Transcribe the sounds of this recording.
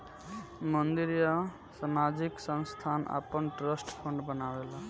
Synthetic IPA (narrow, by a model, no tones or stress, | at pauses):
mʌnd̪iɾjʌ | samad͡ʒiksʌnst̪ʰana̰pːənʈɾʌsʈpʰɔɳɖbənawela